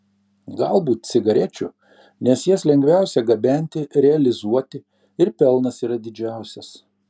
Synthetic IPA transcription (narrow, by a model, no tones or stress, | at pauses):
ɡɑlˠbuːt̪̚sʲɪɡɐɾʲɛt͡ʃʲʊ | nʲɛsjɛslʲɛŋʲɡʲʋʲæˑʊsʲɛɡɐbʲæˑnʲt̪ʲɪɾʲɛɐlʲɪzuɔt̪ʲɪ | ɪɾpʲɛlˠnɐsiːɾɐd̪ʲɪd͡ʒʲæˑʊsʲɛs